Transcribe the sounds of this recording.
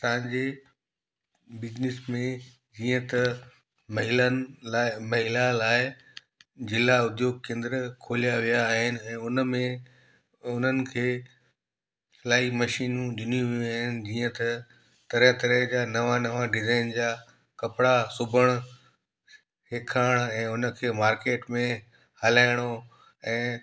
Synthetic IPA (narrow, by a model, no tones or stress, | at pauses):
t̪ɐɪ̃ɲd͡ʑeː | bɪd͡ʑnɪsmẽ | d͡ʑiːə̃t̪ɐ | mɐɦɪlənamɐɦɪlalaːɪ | d͡ʑɪlaʊd̪joːɡ̚kẽːnd̪ɾkʰoːlijaʋijaːɦɪnɪ̆ɛ̃ːʊnmẽ | ʊn̤ənɪ̆kʰeː | laːimɐʃiːnũd͡ʑʊnũʋiuaːɦɪnɪ̆d͡ʑiːə̃t̪ɐ | t̪ɐɾə̃t̪ɐɾəɦd͡ʑaːnɐʋanɐʋaɖɪzaːɪnd͡ʑaː | kɐpɪɽasʊbʱəɽ̃ | ɦekʰaːɽ̃ɛ̃ːʊnə̆kʰeːmaːɾkeːʈmẽ | hɐlaːɪɽ̃o | ɛ̃ː